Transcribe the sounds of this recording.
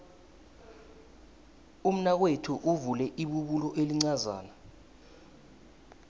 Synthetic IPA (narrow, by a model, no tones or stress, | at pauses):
um̩nak̬wetʰuʔuvulɛʔiɓuɓulɔʔeliŋ͡ǀaza̰ːna